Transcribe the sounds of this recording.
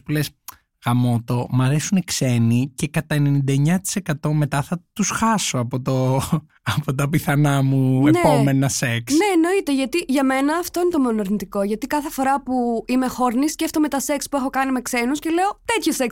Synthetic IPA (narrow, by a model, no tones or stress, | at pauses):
pules | ɣɐmo̞t̪o̞mɐɾesunekse̞nice̞kɐt̪ɐene̞nind̪ɐeɲɐt̪i̥se̞kɐt̪o̞me̞t̪ɐθɐt̪usxɐso̞ɐpot̪o | ɐpot̪ɐpiθɐnɐmueneome̞nɐse̞ksneːno̞it̪e̞ʝɐt̪iʝɐme̞nɐːft̪o̞inet̪omeonɐɾnit̪iko̞ʝɐt̪ikɐθe̞fo̞ɾɐpuime̞xo̞ɾnisceft̪ome̞t̪ɐse̞kspuexo̞kɐnime̞kse̞nuscele̞o̞t̪e̞t̪çose̞ks